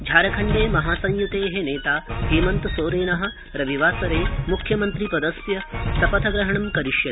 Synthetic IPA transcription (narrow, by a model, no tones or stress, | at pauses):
d͡ʒʱaːɾɐkʰɐɳɖeːmɐɦaːsɐ̃ŋjut̪eːɦeneːt̪aːɦiːmɐnt̪usoːɾeːnɐɦɐ̆ | ɾɐʋiʋaːsɐɾeːmukʰjɐmɐnt̪ɾipɐd̪ɐsjɐsɐpɐt̪ʰɐɡɾɐɦɐɳɐmkɐɾiʃjɐ